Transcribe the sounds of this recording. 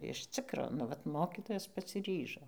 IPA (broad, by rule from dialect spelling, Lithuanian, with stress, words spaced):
ɪʃ ˈt͡sʲɪkroː nʊ ˈʋɐt ˈmoːkʲɪtoːjɛs pɐsʲɪˈrʲiːʒoː